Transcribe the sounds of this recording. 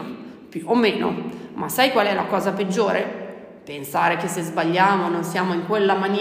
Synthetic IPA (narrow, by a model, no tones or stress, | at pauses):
pjuomːeːno̰masːajkwaːlɛla̰kɔːzaped͡ʒːoːɾʔe | pensaːɾekesezbaʎːaːmononsjaːmoiŋkwelːamanj